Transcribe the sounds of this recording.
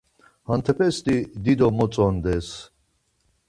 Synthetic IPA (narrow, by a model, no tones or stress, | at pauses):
hant̪ʰɛpʰɛst̪id̪id̪ɔmɔt͡sʼɔnd̪ɛs